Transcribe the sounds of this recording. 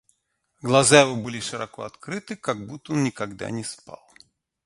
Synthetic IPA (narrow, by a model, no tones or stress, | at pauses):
ɡlˠazaɛvɔbɨlʲiʂɨɾakɔ̰at̪kɾɨt̪ɨkaɡ̚but̪ɔnnʲikaɡd̪a̰nʲɛspa̰lˠ